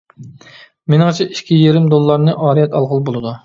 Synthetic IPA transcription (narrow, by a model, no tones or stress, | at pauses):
menɨŋt͡ʃʰɛʔiʃkʲʰijeɾɪmd̪olˠːɑɾnɨʔɑːɾijɛt̪ɑlˠʁəlˠbolˠɨd̪u